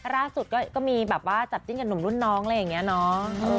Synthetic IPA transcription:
laː˥˩su˨˩t̪̚kɔː˥˩kɔː˥˩miː˧bɛː˨˩p̚waː˥˩t͡ɕa˨˩t̪̚t͡ɕi˥˩nka˧nːu˨˩mɾu˥˩nːɔː˦˥ŋʔla˧ja˨˩ŋːi˦˥ɐnɔ˦˥ʔɤː˧

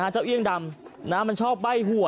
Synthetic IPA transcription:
aː˦˥t͡ɕa˥˩wʔi˥˩əŋda˧mnaː˦˥mːa˧nt͡ɕʰɔː˥˩p̚ba˥˩jhu˨˩˦

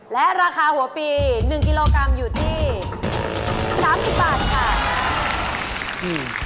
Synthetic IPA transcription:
lɛ˦˥ʔɾaː˧kʰaː˧hu˩˦ɐpiː˧nɯ˨˩ŋk̬i˧loː˧kɾa˧mjuː˨˩t̪ʰiː˥˩ | saː˩˦msi˨˩p̚baː˨˩t̪̚kʰa˦˥˩

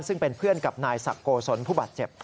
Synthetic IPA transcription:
nsɯ˥˩ŋpe˧npʰɯ˥˩ənka˨˩p̚naː˧jsa̰˨˩kːoː˧so˨˦˥npʰuː˥˩baː˨˩t̪̚t͡ɕe˨˩p̚

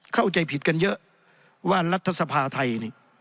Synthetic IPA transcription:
kʰa˥˩wt͡ɕa˧jpʰi˨˦t̪̚ka˧njɤ˦˥ʔ | waː˥˩la˦˥t̪ʰːa˧sa˧pʰaː˧t̪ʰa˧jni˨˩

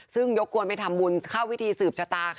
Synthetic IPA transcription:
sɯ˥˩ŋjo˦˥kʰːu˧ənpa˧jt̪ʰa˧mbu˧nkʰaː˥˩wi˦˥t̪ʰiː˧sɯː˨˩p̚t͡ɕʰa˧t̪aː˧

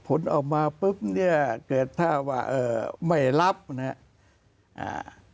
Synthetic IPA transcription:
pʰo˨˦nʔa˨˩w̚maː˧pɯ˦˥p̚ni˥˩ɐkɤː˨˩t̪ʰːaː˥˩waː˧˥˩ʔɤː˧˩ma˥˩jla˦˥p̚na˦˥˩ʔ | ʔa̰ː˧˩

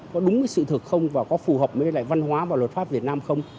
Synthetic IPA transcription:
kɔ˨˦ɗʊ˨˦ŋ͡mkəː˨˦jsɨ̰˧˨t̪ʰɨ˨˩k̚xə˧wŋ͡mvaː˨˩kɔ˨˦fu˨˩həː˨˩p̚məː˨˦ə˧la̰ː˧˨jva˧nɦwaː˨˦vaː˨˩wə˨˩t̚fa˦˥p̚vi˨˩ət̚naː˧mxə˧wŋ͡m

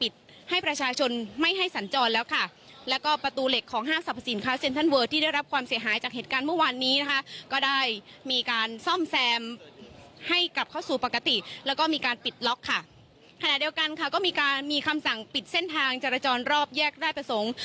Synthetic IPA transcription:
pi˨˩t̪̚ | ha˥˩jpɾa˧t͡ɕʰaː˧t͡ɕʰo˧nma˥˩jɦa˥˩jsa˩˦nt͡ɕɔː˧nlɛː˦˥wkʰa˥˩ | lɛː˦˥wkɔː˥˩pɾa˧t̪uː˧le˨˩kʰːɔː˩˦ŋɦaː˥˩msa˨˩pʰa˧si˩˦nkʰaː˦˥˩se˧nt̪ʰa˥˩nwɤː˧˩t̪ʰiː˥˩daː˥˩jɾa˦˥p̚kʰwaː˧msi˩˦ɐɦaː˩˦jt͡ɕaː˨˩k̚ɦeː˨˩t̪̚kaː˧nmɯ˥˩waː˧nːiː˦˥na˦˥kʰa˦˥ʔkɔː˥˩daː˥˩jmiː˧kaː˧nsɔ˥˩msɛː˧m | ha˥˩jka˨˩p̚kʰaː˥˩wsuː˨˩pa˨˩ka˧t̪i˨˩lɛː˦˥wkɔː˥˩miː˧kaː˧npi˨˩t̪̚lɔ˦˥kʰːa˥˩ | kʰa˧na˨˩ʔdi˧ə˧wka˧nkʰa˥˩kɔː˥˩miː˧kaː˧nmiː˧kʰa˧msa˨˩ŋpi˨˩t̪̚se˥˩nt̪ʰaː˧ŋt͡ɕeː˧ɾa˧t͡ɕɔː˧nɾɔː˥˩p̚jɛː˥˩k̚daː˥˩jpɾa˧so˨˩˦ŋ

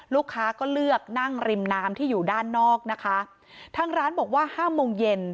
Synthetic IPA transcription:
luː˥˩kʰːaː˦˥kɔː˥˩lɯ˥˩ək̚na˥˩ŋɾi˧mnaː˦˥mt̪ʰiː˥˩juː˨˩daː˥˩nːɔː˥˩k̚na˦˥kʰa˦˥ | t̪ʰaː˧ŋɾaː˦˥nbɔː˨˩k̚waː˥˩haː˥˩moː˧ŋje˧n

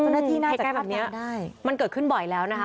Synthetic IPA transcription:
a˦˥˧wnaː˥˩t̪ʰiː˥˩naː˥˩˧a˨˩kːa˥˩jbɛː˨˩p̚ni˦˥ɐa˥˩jma˧nkɤː˨˩t̪̚kʰɯ˥˩nbɔ˨˩jlɛː˦˥wna˦˥kʰ

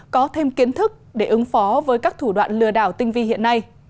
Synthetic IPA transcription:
kɔ˨˦t̪ʰe˧mki˨˦ənt̪ʰɨ˦˥k̚ɗe˧˩ʔɨ˨˦ŋfɔ˨˦vəː˨˦jkaː˦˥k̚t̪ʰu˧˩ɗwa̰ː˧˨nlɨ˧˩əɗaː˧˩wt̪ï˧ŋ̟vi˧hḭ˧˨ənːa˧j

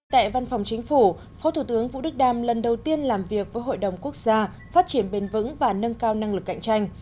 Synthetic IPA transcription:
t̪a̰ː˧˨jva˧nfɔ˨˩wŋ͡mt͡ɕŋ̟fu˧˩ | fɔ˨˦t̪ʰu˧˩t̪ɨ˨˦əŋvṵ˧˨ɗɨ˦˥k̚ɗaː˨˩mlə˨˩nɗə˨˩wt̪i˧ənlaː˨˩mvi˨˩ək̚vəː˨˦jɦo̰˧˨jɗə˨˩wŋ͡mku˦˥ək̚z̥aː˧ | faː˦˥t̚t͡ɕi˧˩ənɓe˧nvɨ̰˧˥ŋvaː˨˩nə˧nkaː˧wna˧ŋlɨ˨˩kːa̰˧˨ŋ̟t͡ɕa˧jŋ̟

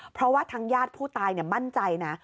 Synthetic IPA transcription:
pʰɾɔ˦˥waː˥˩t̪ʰaː˦˥ŋjaː˥˩t̪̚pʰuː˥˩t̪aː˧jniː˥˩ma˥˩nt͡ɕa˧jna˦˥

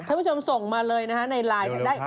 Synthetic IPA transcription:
aː˥˩˨pːʰo˧m˩so˨˩ŋmaː˧lɤː˧jna˦˥kʰa˦˥na˧jlaː˧jt̪ʰa˥˩daː˥˩j

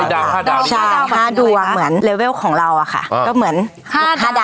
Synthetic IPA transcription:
t͡ɕʰa˥˧˩aː˥˩duː˧a˨˩mɯ˩˦ənleː˧weː˥˩wkʰɔː˩˦ŋɾa˧wa˨˩kʰa̰˥˩kɔː˥˩mɯ˩˦ənːʰ˧˥˩ | a˥˩˧

